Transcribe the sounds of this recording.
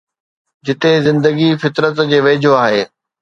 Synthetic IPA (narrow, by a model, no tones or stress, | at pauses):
d͡ʑɪt̪ezɪ̃nd̪əɡifɪt̪ɾət̪d͡ʑeːʋeːd͡ʑʱoaːɦeː